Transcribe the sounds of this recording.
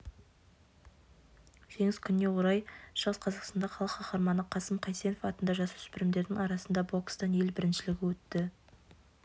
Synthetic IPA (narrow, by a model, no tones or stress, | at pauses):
ʒ̥e̞ŋɪzkʲʰʏnːe̞woɾɑjʃəʁəsqʰɑzɑqst̪ɑnd̪ɑqɑlˠəqʰɑqɑɾmɑnəqʰɑsəmqʰɑjse̞nofɑt̪ənd̪ɑʒɑsəʏ̥spɪɾɪmd̪e̞ɾd̪ɪŋɑɾɑsənd̪ɑbokst̪ɑne̞lbɪɾɪnʃɪlɪɡʲɪwɵt̪ːɪ